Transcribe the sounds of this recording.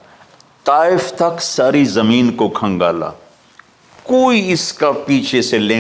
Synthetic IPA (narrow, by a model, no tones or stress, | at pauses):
t̪aːɪft̪ɐksaːɾizɐmiːnkokʰɐ̃ŋɡa̰ːla̰ː | koːiɪskapiːt͡ʃʰeselẽː